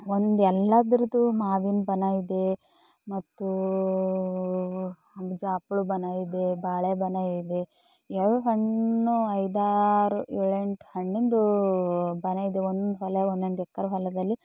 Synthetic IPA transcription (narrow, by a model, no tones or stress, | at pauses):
ond̪ɛlːad̪ɾud̪umaːʋinbɐnaːjid̪e | mɐt̪ːu | ɐɡd͡ʒaːpuɭubɐnaːjid̪ebaːɭebɐnaːjid̪e | ɛɭuɦɐɳːuɐjd̪aːɾuiɭeɳʈhɐɳːind̪u | bɐnaːjid̪eond̪ond̪uɦɐleond̪ond̪ɛkːɐɾuɦɐlɐd̪ɐlːi